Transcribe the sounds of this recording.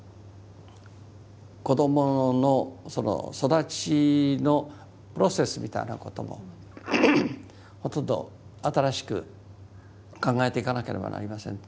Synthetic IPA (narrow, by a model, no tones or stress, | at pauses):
ko̞d̪o̞monosono̰so̞d̪at͡ɕino̞ | pɯɾo̞se̞sɨmʲit̪a̰ina̰ko̞t̪o̞mo̞̰ | ho̞t̪õ̞nd̪o̞̰ | at̪aɾaɕi̥kɯ̟ | kãŋɡae̞t̪e̞ikanake̞ɾe̞ba̰na̰ɾʲimasẽ̞n